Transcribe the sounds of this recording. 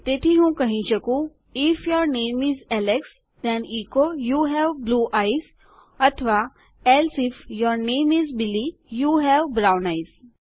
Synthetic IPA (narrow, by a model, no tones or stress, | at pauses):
t̪eːt̪ʰiɦũːkɐɦĩʃɐkũ | ɪfjɔɾnẽːmizɛleks | d̪ɛ̃niːkojuɦɛʋbluːʔaɪz | ɐt̪ʰəʋa | ɛlsɪfjɔɾnẽːmizbilijuːɦɛʋbɾawnaɪz